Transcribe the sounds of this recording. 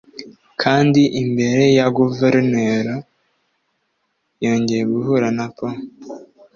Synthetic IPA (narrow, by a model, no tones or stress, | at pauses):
kʰaːndiʔimbe̞ɾe̞jaɡuveɾneɾo | jo̞ːɲɟe̞jeɡuhuɾanapo